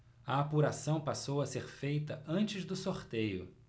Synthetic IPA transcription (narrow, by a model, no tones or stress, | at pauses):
ɐapuɾasɐ̃w̃pasowɐseɾfejt̪ɐɐ̃nt͡ʃɪzd̪ʊsoɾt̪ejʊ̰